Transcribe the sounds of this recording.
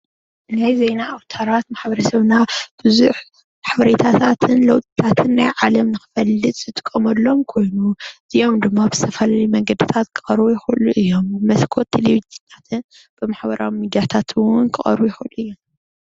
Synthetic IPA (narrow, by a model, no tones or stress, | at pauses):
najzejnaːwt̪ʰɐɾat̪maħbɐɾɐsɐβnab̥ɨzuħ | maħbɐɾet̪ʰat̪ʰat̪ʰɨnlɐwt̪ʼi̥t̪ʰat̪ʰɨnːajʕalɐmnɨxɨ̥fɐlːɨt̪ʼzɨt̪ʼɨ̥kʼːɐmɐlːo̞mkʰo̞jnuz̥iʔomd̪ɨmːabz̥ɨ̥t̪ʰɐfɐlajumɐŋɡɐd̪ɨt̪ʰat̪kʰɨ̥xʼɐɾbujɪxuluʔɨjːo̞mɨmɐskʰot̪ʰːeleβid͡ʒɨnʰat̪ʰɨn | b̥ɨmaħbɐɾʔa̰wimid̪jat̪ʰat̪ʰɨwʊnkʰɨχʼɐ̰ɾβujɪxuluʔɨjːom